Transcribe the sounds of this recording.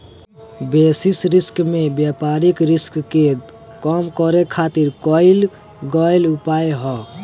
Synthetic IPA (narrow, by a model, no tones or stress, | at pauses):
besisɾiskmebjapaɾikɾiskke | kɔmkɔɾekʰːat̪iɾkɔɪl | ɡɔjlupajɦɔ